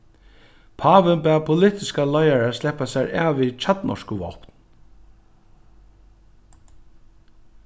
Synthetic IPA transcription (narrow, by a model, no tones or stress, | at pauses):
pʰaːʋɪnpæːpʰʊlɪt̪ɪskalɔjaɹaslɛhpasɛɾa̰ːvʋit͡ɕʰat̪nʔɔ̰ʂkʊʋɔ̰pn